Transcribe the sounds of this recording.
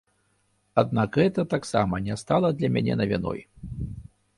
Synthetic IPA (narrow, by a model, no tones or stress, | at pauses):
ad̪nakɣɛt̪ɐt̪aksamɐnʲɛst̪alˠɐd̪lʲɐmʲænʲɛ̰nɐvʲinɔ̰j